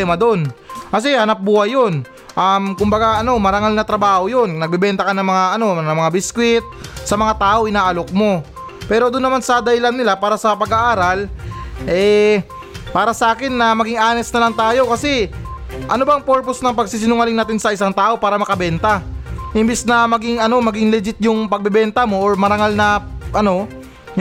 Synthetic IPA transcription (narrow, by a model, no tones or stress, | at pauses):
ɛmɐd̪o̞nkɐs̬ɛhɐnɐp̚buːhɐjːon | ʔɐmkʊmbɐɡaʔɐno̞mɐɾɐŋalnɐt̪ɾɐbaːho̞jo̞nnɐɡ̚bɛbɛnt̪ɐkɐnɐŋmɐŋaʔɐno̞nɐŋmɐŋabɪskwɪt̪̚ | sɐmɐŋat̪aːʔo̞ʔɪnaːʔɐlok̚mo̞ | pɛːɾo̞d̪ʊnːɐmansɐd̪ɐɪlannɪlapaːɾɐsɐpɐɡaʔaːɾalʔɛ | paːɾɐsɐʔaːkɪnːɐmɐɡɪŋʔaːnɛsnɐlɐŋt̪aːjo̞kɐsɛ | ʔɐnobɐŋpoɹposnɐŋpɐɡsiːs̬ɪnʊŋɐlɪŋnaːt̪ɪnsɐʔɪsaŋt̪aːʔo̞paːɾɐmɐkɐbɛnt̪ɐhɪmbɪsnɐmɐɡɪŋɐno̞mɐɡɪŋlɛd͡ʒɪt̪̚jʊŋpɐɡ̚bɛbɛnt̪ɐmo̞ʔoɹmɐɾɐŋalnɐʔɐno̞